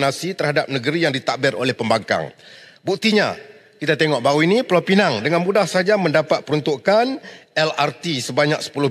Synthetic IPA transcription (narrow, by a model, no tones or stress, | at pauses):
nasit̪ərhadap̚nəɡəɾijaŋdit̪aʔbɪɾo̰lɛhpəmbaŋka̰ŋ | buk̚t̪iɲa̰ | kit̪at̪eŋɔʔbauinipəlapinaŋdəŋanmudahsad͡ʒamə̃ndapat̪̚pəɾunt̪uʔkanɛlart̪isəbaɲak̚sə̥pulʊh